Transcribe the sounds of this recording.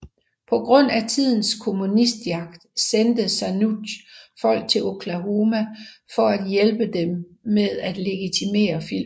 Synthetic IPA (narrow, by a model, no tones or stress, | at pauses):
pʰɒ̽ɡ̥ʁɔ̽n̰æt͡sʰið̞̰ˠn̩skʰo̝munisd̥jɑ̈ɡ̥̚d̥send̥əsænudfɒ̽l̰ɡ̥̚t͡sʰe̝lo̝kʰlæɦomæfɒ̽æd̥jelb̥əd̥emːeðˠæd̥le̝ɡ̥it͡sʰime̝̰ːɐfil̰